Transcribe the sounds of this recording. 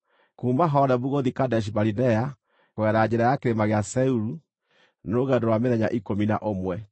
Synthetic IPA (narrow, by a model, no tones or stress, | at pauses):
kuːmbaɦɔnɛbuɣoðikadɛʃ̬ibaɾinɛa | kwɛɾad͡ʑɛɾajakeɾemaɣeasɛuɾu | noɣɛndoɾwameɾɛɲaʔikomina̰ʔomwɛ